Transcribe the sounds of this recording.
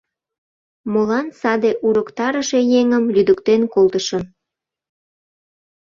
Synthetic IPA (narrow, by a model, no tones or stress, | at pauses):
molɑnsɑd̪eʔuɾəkt̪ɑɾəʃejeŋəmlyd̪əkt̪enkolt̪əʃən